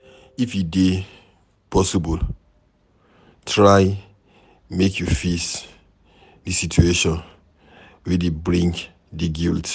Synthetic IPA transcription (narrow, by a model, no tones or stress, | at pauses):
ifjude | pʰɔsibɔl | tʰɹaj | mekʰjufis | disitueʃɔ̃n | widebɹĩŋk | diɡilt